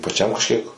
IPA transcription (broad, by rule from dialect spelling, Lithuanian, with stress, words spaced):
pɐˈt͡ʃʲɛm kɐʃʲˈkʲiɛk